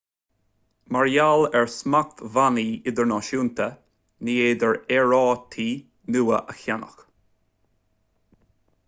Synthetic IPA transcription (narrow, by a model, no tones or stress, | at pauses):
maɹjalɛɹsmak̚tvaniːɪd̪əɹnɔːʃuːnt̪ʰə | niːeːd̪əɹɛɹɔːt̪ʰiː | nuːəʔəxanə̰x